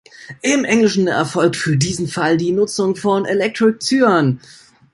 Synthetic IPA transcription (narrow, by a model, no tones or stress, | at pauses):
ʔɪmʔɛŋlɪʃn̩ɛ̰ɐfɔlkfyːɐdiːzn̩faldiːnʊt͡sʊŋfɔnelɛk̚tʁ̥ɪk̚t͡syːɐn